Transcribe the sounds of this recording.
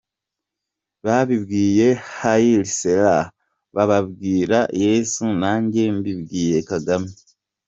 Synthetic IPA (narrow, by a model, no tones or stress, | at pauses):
βaβiβɡiːje̞hajilisela | βaβaβɡiːɾajesunaːɲɟe̞mbiβɡiːje̞kaɡami